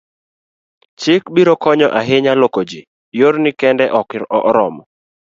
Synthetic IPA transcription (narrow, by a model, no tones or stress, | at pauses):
t͡ʃɪkbiɾokɔɲɔʔaɦɪɲalokod͡ʒe | joɾnɪkɛndɛʔɔkɔʔɾɔmɔ